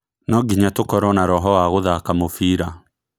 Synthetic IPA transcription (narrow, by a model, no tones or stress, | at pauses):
nɔɡiɲatokɔɾɔnaɾɔɦɔwaɣoðakamofiːɾa